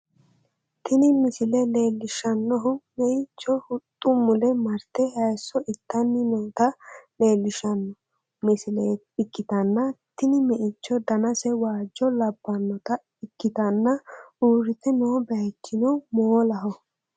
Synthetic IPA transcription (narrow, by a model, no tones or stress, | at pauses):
t̪ɪnɪmɪsɪlɛle̞ːlːɪʃɐnːɔɦʊmɛʔɪt͡ʃːɔhʊt̪ʼːʊmʊlɛmɐɾt̪ɛhɐjsːɔʔɪt̪ːɐnːɪnoːt̪ɐle̞ːlːɪʃɐnːɔ | mɪsɪleː | ɪkːɪt̪ɐnːɐt̪ɪnɪmɛʔɪt͡ʃːɔd̪ɐnɐsɛwaːd͡ʒːɔlɐbːɐnːɔt̪ɐ | ɪkːɪt̪ɐnːɐuːɾɪt̪ɛnoːbɛjɛt͡ʃːɪnɔmoːlɐɦɔ